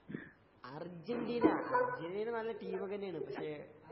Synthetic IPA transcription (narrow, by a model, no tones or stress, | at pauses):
ɐrd͡ʑɐnɖiːnɐɐrd͡ʑeninɐnɐlːɐʈiːmɐɣɐnejaːɳɨpɐkʂe